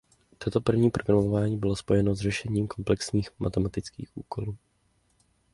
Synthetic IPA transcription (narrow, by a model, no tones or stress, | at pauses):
t̪ot̪o̞pr̩vɲiːpɾo̞ɡɾamoovaːɲiːbɪlo̞spo̞jɛno̞zrɛʃɛɲiːmko̞mplɛksɲiːxma̰t̪ɛmat̪ɪt͡skḭːxʔṵːko̞luː